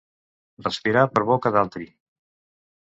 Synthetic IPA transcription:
rəspiɾapəɾβɔkəðalˠt̪ɾi

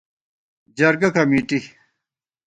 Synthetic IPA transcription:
d͡ʑɐɾɡɐkɐmiːʈi

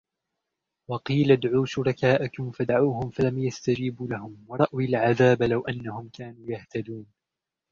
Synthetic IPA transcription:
wɑqiːlad̪ʕuːʃʊɾˤɑkaːʔakʊmfad̪ʕuːhʊmfalamjast̪ad͡ʒiːbuːlahʊmwɑɾˤɑʔwɪlʕaðaːbalawʔanːahʊmkaːnuːjaht̪ad̪uːn

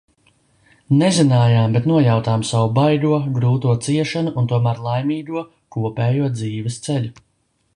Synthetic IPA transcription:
nezinaːjaːmbet̪nuɔjawt̪aːmsawubajd̪uɔɡɾuːt̪uɔt̪siɛʃanuʔunt̪uɔmæːɾlˠajmiːd̪uɔ | kuɔpɛːjuɔd̪ziːvɛst̪sɛlu

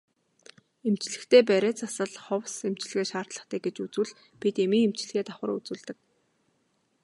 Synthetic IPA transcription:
em̥t͡ɕɮɘ̆xt̪ʰeːp̬æɾʲeːt͡sasə̆ɮχɔwsem̥t͡ɕɮɘ̆ɣeːʃaːr̥t̪ɮə̆χt̪eːɡet͡ɕut͡sŭɮ | pit̪emiːŋem̥t͡ɕɮɘ̆ɣeːt̪aχə̆rṵt͡suːɮt̪ɘ̆k̚

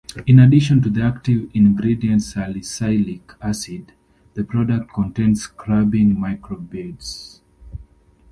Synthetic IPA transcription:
ĩnadiʃɔ̃ntuðiak̚tivĩnɡɹidiə̃ntsalisaɪlikʰasid | ðəpʰɹɔdək̚t̚kʰɔ̃ntẽnskʰɹabɪ̃ŋmaɪkɹɔbids

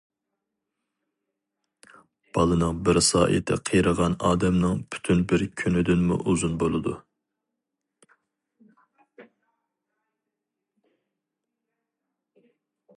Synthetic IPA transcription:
b̥ɑlˠɨnɨŋbɪɾsɑ̰ːʔḭt̪ʰɛ̰qʰəjɾəʁɑnɑːd̪ɛmnɨŋpʰy̥t̪ʰynbɪɾkʲʰynɪd̪ɪnmṵʔuzunbolˠɨd̪u

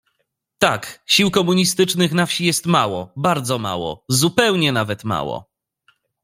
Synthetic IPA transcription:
t̪akɕiwkɔmuɲist̪ɘt͡ʂnɘxnafɕijɛst̪mawɔbaɾd̪zɔma̰wɔ̰zupɛwɲɛnavɛt̪ma̰wɔ̰

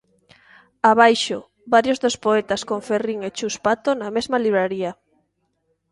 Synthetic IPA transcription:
aβajʃo | baɾjozðospoet̪askoŋferiŋet͡ʃuspat̪onamezmaliβ̞ɾaɾia

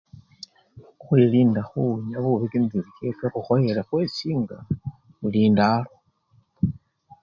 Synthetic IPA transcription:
xwiliːndaxuɲaβuβikinzilikekaxuxojelaxwesiːŋɡa | βuliːndalo

